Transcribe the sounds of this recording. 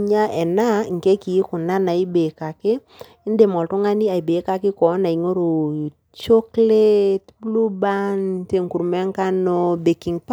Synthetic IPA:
ɲa˦ʔɛ˨na˦ŋ̩˨ke˦ki˨˦kʊ˨na˦na˨i˦be˨ka˨kɪ˦ | nde˨mɔ˨ltʊ˦ŋa˦ni˦a˨i˨be˨˦ka˦kɪ˦kɔ˨˦na˨i˨ŋo˦ɾo˨ | t͡ʃɔ˦kle˦tblu˦ba˦nte˨ŋku˨ɾmɛ˦ŋka˦nɔ˦be˨ki˨ŋp

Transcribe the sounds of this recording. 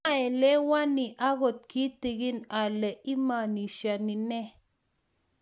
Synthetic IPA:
a˦e˨le˦wa˦ni˨ʔa˦ɣo˨t̪̚ki˦t̪i˨ɡi˦na˨le˨ʔi˦ma˨ni˨ʃja˨ni˨ne˦

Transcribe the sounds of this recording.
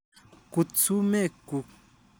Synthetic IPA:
ku˧t͡su˦me˦˨ku˧

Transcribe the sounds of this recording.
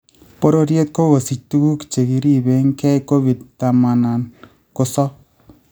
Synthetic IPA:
po˦ɾo˦ɾje˦t̪̚ko˦ɡo˨si˨t͡ʃ̚tu˦ɡu˦kt͡ʃe˨ki˨ɾi˦be˨ŋkɛ˦jko˦βi˨d̪̚t̪a˨ma˨na˨n | kʊ˦sɔ˦

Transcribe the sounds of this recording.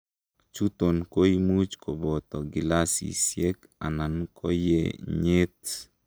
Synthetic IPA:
t͡ʃu˦t̪o˨nko˦imu˦t͡ʃko˨bɔ˨t̪ɔ˨ɡɪ˨la˦sḭ˨sje˦k | a̰˨na˨nkʰɔ˦jḛ˦ɲe˦t̪̚

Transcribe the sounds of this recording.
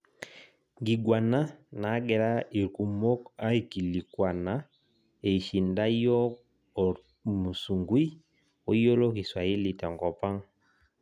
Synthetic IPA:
ŋɡi˨ɡwa˨na˦na˨˦ɡɛ˨ɾa˦i˨ku˨mo˦ka˦i˨ki˨li˨kwa˨na˦ | e˨ʃi˨nda˦jɔ˦˨ | mu˨su˨ŋɡwi˦ | o˦jo˦lo˦ki˨swa˨ji˦li˨ta˨ŋɡɔ˨pa˦ŋ

